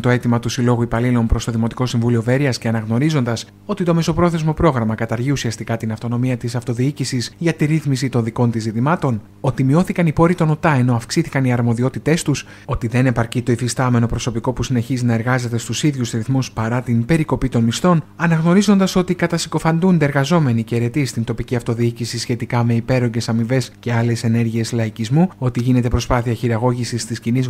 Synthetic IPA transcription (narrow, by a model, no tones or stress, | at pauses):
t̪o̞e̞t̪imɐt̪usilo̞ɣuipɐlilo̞mpɾo̞st̪o̞ðimo̞t̪i̥ko̞siɱvulio̞ve̞ɾiɐsce̞ɐnɐɣno̞ɾizo̞nd̪ɐs | o̞t̪it̪o̞me̞so̞pɾo̞θe̞zmo̞pɾo̞ɣɾɐmɐkɐt̪ɐɾʝiusiɐst̪ikɐt̪inɐft̪o̞no̞miɐt̪isɐft̪o̞ðiicisisʝɐt̪iɾiθmisit̪o̞nðiko̞nt̪izit̪imɐt̪o̞n | o̞t̪imio̞θikɐnipo̞ɾit̪o̞no̞t̪ɐe̞no̞ɐfksiθikɐniɐɾmo̞ðio̞t̪it̪e̞st̪us | o̞t̪iðe̞ne̞pɐɾcit̪o̞ifist̪ɐme̞no̞pɾo̞so̞piko̞pusine̞çizinɐe̞ɾɣɐze̞t̪e̞st̪usiðʝusɾiθmuspɐɾɐt̪inbe̞ɾiko̞pit̪o̞nmist̪o̞nɐnɐɣno̞ɾizo̞nd̪ɐso̞t̪ikɐt̪ɐsi̥ko̞fɐnd̪und̪eɾɣɐzo̞me̞niceɾe̞t̪ist̪int̪o̞piciɐft̪o̞ðiicisisçe̞t̪ikɐme̞ipe̞ɾo̞ɲɟe̞sɐmive̞sce̞ɐle̞se̞ne̞ɾʝie̞slɐicizmuo̞t̪iʝine̞t̪e̞pɾo̞spɐθiɐçiɾɐɣo̞ʝisist̪isciniz